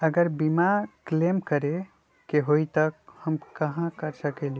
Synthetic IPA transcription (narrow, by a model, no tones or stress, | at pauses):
əɡəɾbimaklemkəɾe | keɦoit̪əkhəmkəɦãkəɾsəkeli